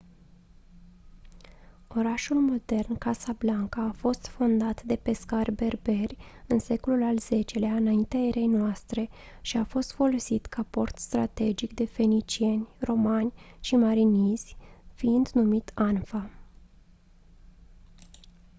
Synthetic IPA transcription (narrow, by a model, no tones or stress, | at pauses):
o̞ɾaʃulmo̞d̪e̞rnkasablaŋkəːfo̞st̪fo̞nd̪at̪d̪e̞pe̞skarʲbe̞rbe̞rʲɨnse̞ko̞lulalz̥e̞t͡ʃe̞leaɨnaint̪eaeɾe̞jnoast̪ɾe̞ | ʃiafo̞st̪fo̞lo̞sit̪kʰapo̞rt̪st̪ɾa̰t̪e̞d͡ʒikd̪e̞fe̞nit͡ʃie̞nʲro̞manʲʃimaɾiniz̥ʲfiind̪numit̪anfa